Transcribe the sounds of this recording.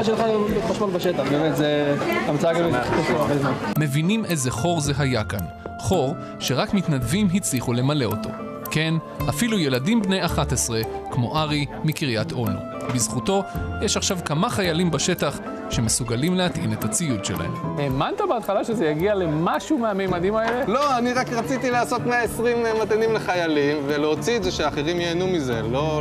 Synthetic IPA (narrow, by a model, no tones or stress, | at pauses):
ʃelχamaʃmolbaʃet̪aχbeːmet̪zeamt͡saaɡaveatefoabezmanme̞vinimʔe̞ze̞χo̞ʁze̞ɦajakan | χo̞ʁ | ʃe̞ʁakmit̪nadvimɦit͡sliχule̞male̞o̞to̞̰ | ke̞n | afiluje̞ladimbne̞jaχatesʁe̞kmo̞ʔaʁimikiʁjat̪ʔo̞nṵ | bizχuto̞jeʃaχʃavkamaχajalimbaʃe̞taχ | ʃe̞mesuɡalimleat̪ʔḭne̞t̪hat͡sijudʃela̰hḛmemant̪abeat̪χalaʃezejaɡiale̞maʃumeamejmadimaele̞lo̞aniʁakʁat͡sit̪ilaːso̞t̪meaesʁimemat̪animleχajalimveleot͡sietzeʃeaːχeʁimjeːnumize̞lo̞